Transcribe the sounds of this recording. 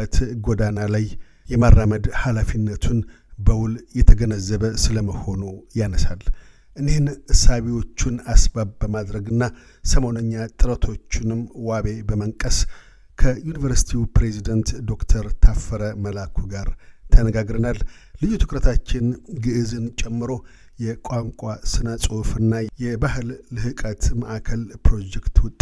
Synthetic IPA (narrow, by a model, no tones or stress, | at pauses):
ət̪ɡod̪analaj | jɛmarːaməd̪halafinːət̪ʰun | bəwʊljɛt̪ʰəɡənəzːəβəsɨləməho̞nujanəsal | ʔɨne̞hnʔɨsaβiwo̞t͡ʃːɪnasbaβbəmad̪ɾəɡɨnːa | səmo̞nəɲːat̪ʼɨɾət̪ʰo̞t͡ʃːɪnɨmwaβe̞bəməŋkʼəs | kʰəjunivəɾsi̥t̪ʰiupɾe̞zid̪ənt̪d̪o̞kt̪ʰəɾt̪ʰafːəɾəməlakʰuɡaɾt̪ʰənəɡaɡɾənalːɨjut̪ʰɨkɾət̪ʰat͡ʃːɪnɡɨʔɨzɨnt͡ʃʼɛmːɨɾo̞ | jɛkʷʼaŋkʷʼasɨnəsʼofɨnːajɛbaɦɨlːɨhɨkʼət̪məʔakʰəlpɾo̞d͡ʒɛkt̪wʊt̪ʼː